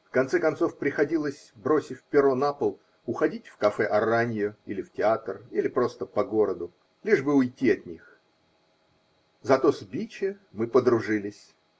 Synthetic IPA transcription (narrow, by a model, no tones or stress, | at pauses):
fkɐnt̪sɛkɐnso̞fpɾʲɪxɐdʲilˠəsʲbɾo̞sʲɪfʲpʲɪɾo̞napəlˠ | ʊxɐdʲitʲfkɐfɛʔɐranʲɪjʊilʲɪftʲɪat̪rilʲɪpɾo̞st̪əpɐɡo̞ɾəd̪ʊ | lʲiʐbɨʊjtʲːiɐt̪ʲnʲix | zɐt̪o̞zʲbʲit͡ɕɪmɨpəd̪ɾʊʐɨlʲɪsʲ